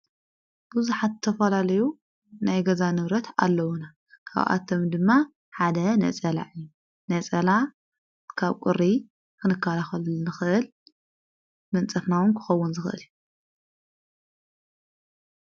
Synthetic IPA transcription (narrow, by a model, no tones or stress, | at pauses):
b̥uzuħat̪t̪ʰːɐfɐlalɐju | najɡɐzanɨβɾɐt̪ʰa̰lːɐwuna | kʰa̰βʔa̰t̪ʰːomd̪ɨmːa | ħad̪ɐnɐ̰t͡sʼɐla̰ʔɨjːu | nɐt͡sʼɐla | kʰaβkʷʼʊɾːi | kʰɨnɨkʰːalaxɐlnɨxɨʔɨl | mɐnt͡sʼɐfnawʊnkʰɨ̥xɐwːʊnzɨxɨʔɨ̰lju